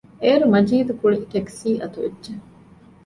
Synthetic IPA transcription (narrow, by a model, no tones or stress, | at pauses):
eːɾumɐd͡ʒiːd̪ukuɭiʈeksiːʔɐt̪uedːʒe